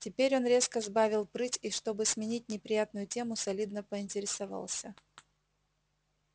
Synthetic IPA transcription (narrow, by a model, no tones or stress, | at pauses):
tʲɪpʲeɾʲo̞nɾʲe̞skəzbavʲɪlˠpɾɨtʲiʂt̪o̞bɨsmʲɪnʲit̚ʲnʲɪpɾʲɪjat̪nʊjʊtʲe̞mʊsɐlʲid̪nəpəɪnʲtʲɪɾʲɪsavɑ̰lˠsʲə